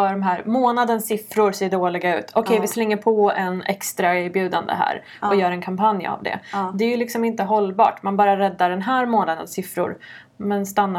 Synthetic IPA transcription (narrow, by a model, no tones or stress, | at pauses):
œɖɔmɦæːɾmoːnad̪ənsɪfɾʊɾseːɖoːlɪɡaʉ̟̰ːt̪ʰɔkʰɛjvɪslɛŋːəɾpʰɔɛnʔɛkst̪ɾaeːɾbjʉ̟ːd̪a̰nd̪ə̰ɦæ̰ːɾ | ɔjœːɾɛnkʰampʰanja̰vd̪ɛ̰d̪ɛæːjɵlɪksɔmɪnt̪əɦɔlːbɑ̰ːʈmanbɑːɾaɾɛd̪ːaɖɛnɦæːɾmoːnad̪ə̰nsɪfɾʊ̰ɾ | mɛnst̪anːa